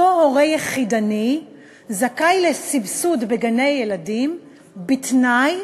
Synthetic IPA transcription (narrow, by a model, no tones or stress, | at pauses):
ohoʁejeχidani | zakajlesibsudbeɡane̞jːeladim | bitnaj